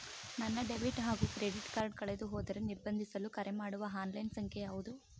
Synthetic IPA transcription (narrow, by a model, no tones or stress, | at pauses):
nɐnːɐɖebiʈɦaːɡuːkɾeɖiʈkaːɾɖkɐɭed̪uɦoːd̪ɐɾeniɾbɐnd̪ʱisɐlukɐɾʔemaːɽuʋɐɦaːnlɐjnsɐŋkʰeaːʋud̪u